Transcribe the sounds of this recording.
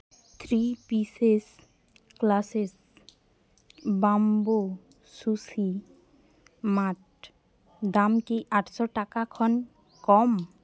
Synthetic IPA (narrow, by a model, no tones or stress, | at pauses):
t̪ʰɾipises | klases | bambo | susi | maʈ̚ | d̪amkiʔaʈʰʃɔʈakakʰɔn | kɔm